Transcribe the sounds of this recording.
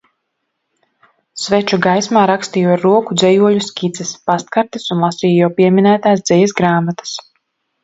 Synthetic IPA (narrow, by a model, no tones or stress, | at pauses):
svɛt͡ʃuɡajsmaːɾakst̪ijuaɾuɔkud̪zɛjuɔʎʲuskʲit̪sɛspast̪̚kaɾt̪isunlˠasiːjjawpiɛmʲinæːt̪aːsd̪zɛjɛsɡɾaːmat̪ḁs